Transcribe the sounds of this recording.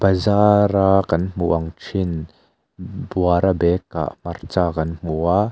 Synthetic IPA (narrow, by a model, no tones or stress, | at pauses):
b̥ɐzaːɾakɐnm̥uʔɐŋt͡ʃʰin | buaɾabɛkːa̰ʔmɐrt͡saːkɐnm̥ua